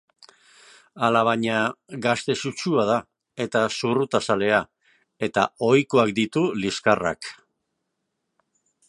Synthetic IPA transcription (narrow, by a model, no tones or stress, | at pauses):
alaβ̞aɲaɡast̪e̞sut͡ʃuað̞a | e̞t̪asurut̪asale̞a | e̞t̪a̰o̞jko̞ak̚d̪it̪uliskara̰k